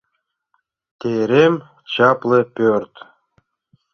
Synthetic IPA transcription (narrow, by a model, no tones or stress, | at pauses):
t̪eɾem | t͡ɕɑplepʲørt̪